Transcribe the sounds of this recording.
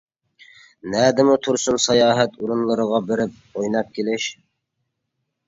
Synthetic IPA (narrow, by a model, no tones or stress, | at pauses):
næːd̪ɪmʊt̪ʰuɾsunsɑjɑːɦɛt̪ʰuɾunlˠɨɾəʁɑbɪɾɪp̚ojnɑp̚kʲʰelɪʃ